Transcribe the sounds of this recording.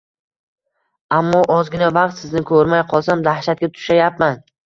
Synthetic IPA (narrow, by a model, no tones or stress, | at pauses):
amːɒʔɒzɡʲɪnavɑqt̪sɪznɪkʰɵɾmajqʰɒlˠsamd̪ahʃat̪̚ɡʲat̪ʰʊ̥ʃajapman